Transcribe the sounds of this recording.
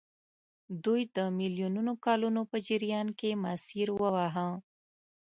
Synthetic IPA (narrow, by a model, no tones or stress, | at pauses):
d̪ujd̪əmiljununokaːlunopəd͡ʒiɾijaːnkemaːsiɾwəwaːɦã